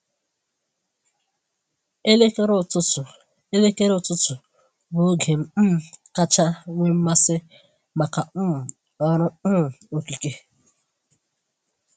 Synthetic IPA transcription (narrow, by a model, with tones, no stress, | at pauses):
e˦lʊ˦ʊ˨ | e˦le˦ke˦ɾʊ˦˨tʊ˦tʊ˨ | bo˨˦ɡe˨m̩˦ka˦t͡ʃa˦ŋʷe˦m̩˦ma˦sɪ˦ | ma˨ka˨˦˨ | ɔ˦ɾʊ˦˨o˨ki˨ke˦